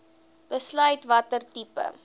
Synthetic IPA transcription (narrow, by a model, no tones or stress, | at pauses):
b̥əslœɥtvɐtərtipə̰